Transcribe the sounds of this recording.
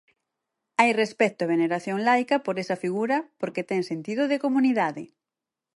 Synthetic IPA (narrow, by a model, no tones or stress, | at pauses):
ajrespɛt̪oeβ̞eneɾaθjoŋlajkɐpoɾesɐfiɣuɾɐpoɾket̪ɛŋsent̪iðʊðekomuniðaðɪ